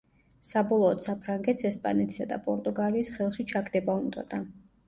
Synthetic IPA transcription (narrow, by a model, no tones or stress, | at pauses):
sabɔlˠɔːd̪sapʰɾaŋɡɛt̪sɛspʼa̰nɛt̪ʰi̥sad̪a̰pʼɔɾt̪ʼuɡaliːsχɛlˠʃit͡ʃʰaɡd̪ɛbaund̪a̰d̪a